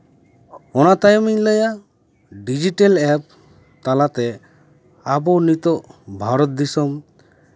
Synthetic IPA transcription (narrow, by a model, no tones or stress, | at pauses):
ɔnat̪ajmiɲləja | ɖid͡ʒiʈelɛp̚ | t̪alat̪ɛ | abɔnit̪ɔʔbʱaɾɔt̪̚d̪isɔm